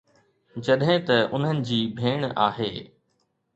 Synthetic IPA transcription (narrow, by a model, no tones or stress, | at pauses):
d͡ʑɐɗɦɪ̃t̪ɐʊn̤ənɪ̆d͡ʑiːbʱeːɽ̃aːɦeː